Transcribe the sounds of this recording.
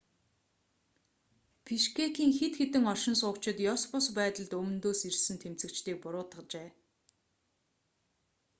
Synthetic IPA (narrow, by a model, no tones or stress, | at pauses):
pʰiʃkʰekiːŋxet̪xet̪ɘ̆ŋɔʃɪ̆nsʊːkt͡ɕɪ̆t̪jɔspʊspæːt̪ə̆ɮt̪ɵmɵ̆nt̪oːsirsɘ̆nt̪ʰemt͡sɘ̆kt͡ɕt̪iːk̚pʊɾʊːt̪ə̆t͡ɕeː